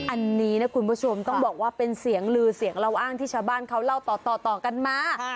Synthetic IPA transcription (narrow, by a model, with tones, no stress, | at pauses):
ʔa˧nːiː˦˥na˦˥kʰu˧npʰuː˦˥˩t͡ɕʰo˧mt̪ɔ˥˩ŋbɔː˨˩k̚waː˥˩pe˧nsi˨˩˦əŋɾɯː˧si˩˦əŋɾa˧wʔaː˥˩ŋt̪ʰiː˥˩t͡ɕʰaː˧wbaː˥˩nkʰa˦˥wla˥˩wt̪ɔː˨˩t̪ɔː˨˩t̪ɔː˨˩ka˧nmaː˧